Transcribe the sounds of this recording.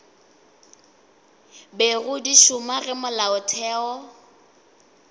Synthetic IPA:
beɣʊdiʃʊmaɣɪmʊlaʊtʰɛːɔ

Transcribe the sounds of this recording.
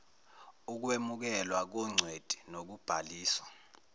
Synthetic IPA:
uk̬wemuk̬ɛlwak̬ɔŋ͡ǀʱwed̥ʱi̥nok̬ub̥ʱaliːswa

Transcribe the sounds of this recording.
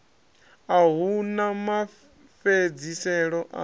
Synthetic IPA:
aɦunama | fed͡zisɛɺɔʔa̰

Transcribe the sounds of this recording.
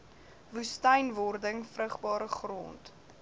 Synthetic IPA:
vustəjnvɔrdəŋfrəχbɑːɾəχro̰nt

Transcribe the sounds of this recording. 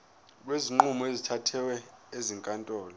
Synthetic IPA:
k̬weziŋ͡ǃumɔezitʰatʰɛwɛeziŋkʼantʼɔːlɔ

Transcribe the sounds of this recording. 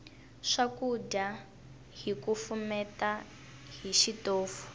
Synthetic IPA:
ʂakuɟa | ɦikufumɛta | ɦiʃitoːfu̥

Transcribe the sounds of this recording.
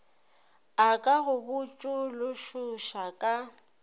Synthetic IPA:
akʼaɣʊbʊt͡ʃʼʊlʊʃʊʃakʼa

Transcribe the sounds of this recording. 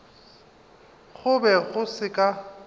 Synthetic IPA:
ɣʊbɛɣʊsɪkʼa

